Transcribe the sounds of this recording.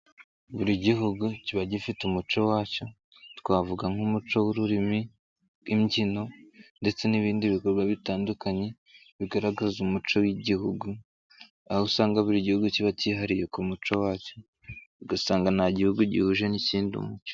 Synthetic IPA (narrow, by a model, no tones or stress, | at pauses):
βuɾiɟiɦuɡuciβaɟifitumut͡ʃo̞waːco̞ | tkwaːvuɡaŋumut͡ʃo̞wuɾuɾimi | imɟino̞nde̞t͡se̞niβiːndiβiko̞ɾɡwaβitaːndukaɲe̞ | βiɡaɾaɡazumut͡ʃo̞wiɟihuɡu | ahusaːŋɡaβuɾiɟihuɡuciβaciːɦaɾije̞kumut͡ʃo̞waːco̞ | βiɡasaːŋɡanhaɟihuɡuɟḭhuʒe̞niciːndiṵmut͡ʃo̥